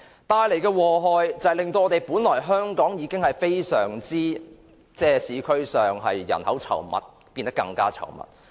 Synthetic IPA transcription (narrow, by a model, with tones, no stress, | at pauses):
t̪aː˧jle˨˩jkɛː˧wɔː˨˩ɦɔː˨˧jt͡sɐ˨˧hɐ˨lɪ˨ŋt̪o˧wɔː˨˧t̪e˨jpuː˨˥nlɔː˨˩jɦœː˥ŋkɔː˨˥ŋjiː˨˧kɪ˥ŋhɐ˨jfe˥jsœː˨˩ŋt͡siː˥ | t͡sɛː˥siː˨˥kʰɵ˥ɥsœː˨ŋɦɐ˨jːɐ̰˨˩nhɐ˨˥wt͡sʰɐ̰˨˩wmɐ̰˨˩t̚ | piː˧nt̪ɐ˥kːɐ˧ŋkaː˥t͡sʰɐ̰˨˩wmɐ̰˨t̚